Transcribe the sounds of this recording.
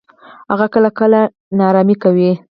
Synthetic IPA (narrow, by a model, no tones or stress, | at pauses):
haɣakəlakəla | nɑɾɑmikawi